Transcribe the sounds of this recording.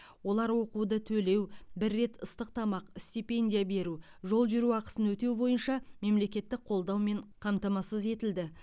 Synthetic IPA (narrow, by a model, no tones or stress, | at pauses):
wo̞lˠɑɾwo̞qud̪ət̪ʰɵle̞wbɪɾːe̞t̪əst̪əq̚t̪ɑmɑqst̪ipe̞nʲd̪ʲijabe̞ɾu | ʒo̞lˠʒʏɾuɑqə̥sənwɵt̪e̞wbo̞jənʃɑme̞mle̞kʲe̞t̪ːɪk̚qʰo̞lˠd̪ɑwme̞ɴqʰɑmt̪ɑmɑsəze̞t̪ɪld̪ɪ